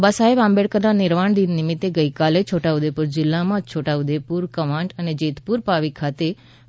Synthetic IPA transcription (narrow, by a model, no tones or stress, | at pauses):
basaebãmbeɽkəɾnanɪɾmaɳd̪inːɪmɪt̪ːeɡəikalet͡ʃʰoʈaʊd̪epuɾd͡ʒɪlːamãt͡ʃʰoʈaʊd̪epuɾkəmãɳɖəned͡ʒet̪puɾpaʋikʰat̪e